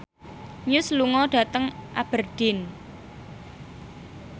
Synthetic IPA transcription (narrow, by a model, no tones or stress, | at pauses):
ɲʊsluŋɔɖ̥ä̤t̪əŋʔab̥ərɖ̥ɪn